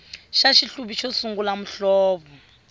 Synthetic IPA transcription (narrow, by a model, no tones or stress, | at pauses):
ʃaʃiɬuɓiʃosuŋɡulam̩ɬɔːɓɔ